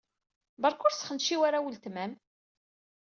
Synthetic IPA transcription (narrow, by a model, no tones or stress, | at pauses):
bɑɾˤkʊɾsə̥χənʃiwaɾawəlt̪mæm